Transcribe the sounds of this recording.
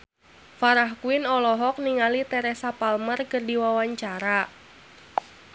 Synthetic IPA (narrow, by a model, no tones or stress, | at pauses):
faɾahkuɪnɔlɔɦɔk̚niŋalit̪ɛɾɛsapalmərkərdiwawaɲt͡ʃaɾa